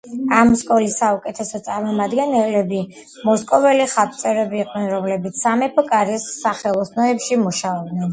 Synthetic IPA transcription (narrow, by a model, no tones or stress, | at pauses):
amskʼɔlisːaukʼɛt̪ʰɛsɔt̪sʼaɾmɔmad̪ɡɛnɛlɛbi | mɔskʼɔvɛliχat̚ʼt̪sʼɛɾɛbiːqʼnɛnɾɔmlɛbit̪sʰsamɛpʰɔkʼaɾisːaχɛlˠɔsnɔɛpʃimuʃaɔbd̪nɛn